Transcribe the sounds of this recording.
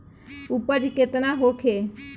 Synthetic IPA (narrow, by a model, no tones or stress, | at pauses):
upəɾket̪naɦokʰe